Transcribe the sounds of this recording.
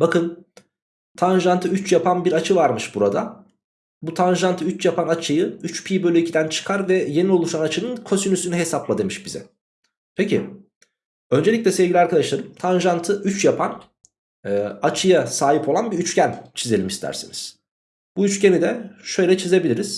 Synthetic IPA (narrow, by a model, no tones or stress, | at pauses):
bakɯn | t̪ʰanʒant̪ʰɯyt͡ʃjapanbiɾat͡ʃʰɯvaɾmɯʃbuɾad̪a | but̪ʰanʒant̪ʰɯyt͡ʃjapʰanat͡ʃʰɯjɯyt͡ʃpʰiːbølʲycʰid̪ænt͡ʃʰɯ̥kʰaɾvɛje̞niolˠuʃanat͡ʃʰɯnɯnkʰo̞synysynyɦe̞saplˠad̪e̞miʃbizɛ̰ | pʰecʰḭ | ø̞nd͡ʒeic̬ʲlʲɛsevɟilʲiaɾkʰad̪aʃlˠaɾɯɯmt̪ʰanʒant̪ʰɯʔyt͡ʃjapʰanː | at͡ʃʰɯjasaːɦipʰo̞lˠanbiyt͡ʃcænt͡ʃʰizelʲimist̪ʰæ̰ɾsḭniz̥ | b̥uyt͡ʃcenid̪ɛʃø̞jlʲɛt͡ʃʰize̞bilʲiɾiz̥